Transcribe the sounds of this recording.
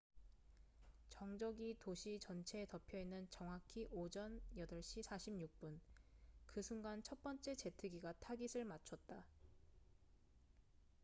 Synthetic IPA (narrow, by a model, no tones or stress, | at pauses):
t͡ɕʌŋd͡ʑʌɡitoɕʰit͡ɕʌnt͡ɕʰe̞ːtʌpʰjʌinːɯnt͡ɕʌŋɦakʰiʔod͡ʑʌnjʌdʌɭɕ͈isʰaɕʰimɲuk̚p͈unkɯsʰuŋɡant͡ɕʰʌt̚p͈ʌnt͡ɕ͈e̞t͡ɕe̞tʰɯɡiɡatʰaɡisʰɯɭmat͡ɕʰʌt̚t͈a